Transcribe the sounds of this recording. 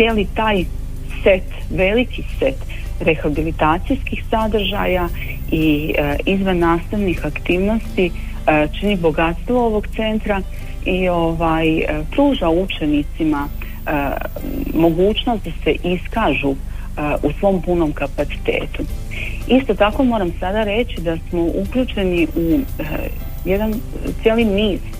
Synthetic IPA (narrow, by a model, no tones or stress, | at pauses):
jelit̪aːj | se̞t̪ | ʋe̞likise̞t̪ | ɾe̞xabilit̪aːt̪sijskixsad̪ɾ̩ʒaja | iizʋanːaːst̪aʋnixakt̪iːʋno̞st̪i | t͡ʃinibo̞ɡat̪st̪ʋooʋo̞ɡt̪se̞nt̪ɾa | io̞ʋaːjpɾuːʒaut͡ʃe̞nit̪sima | mo̞ɡuːt͡ɕno̞st̪d̪ase̞ʔiskaːʒu | usʋo̞ːmpuno̞mkapat̪si̥t̪e̞̰ːt̪u | ist̪o̞t̪ako̞mo̞ɾamsad̪aɾe̞t͡ɕid̪asmo̞ʔukʎʲuːt͡ʃe̞niʔu | je̞d̪ant̪sjeːlimiːɾ